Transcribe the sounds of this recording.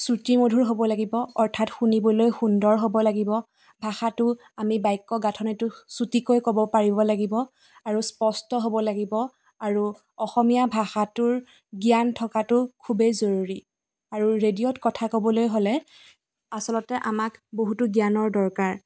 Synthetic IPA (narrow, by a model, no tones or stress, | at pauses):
sutimodʱuɹɦobɔlaɡibɔɔɹtʰatxunibɔlojxundɔɹɦobɔlaɡibɔ | bʱaxatʊ | amibajkːɔɡatʰɔnitʊsutikojkɔbɔpaɹibɔlaɡibɔ | aɹuspɔstɔɦobɔlaɡibɔ | aɹu | ɔxɔmijabʱaxatʊɹ | ɡijantʰɔkatʊkʰubezoɹuɹi | aɹuɹedijɔtkɔtʰakobɔlojɦolɛ | asɔlɔtɛʔamakboɦutʊɡijanɔɹdɔɹkaɹ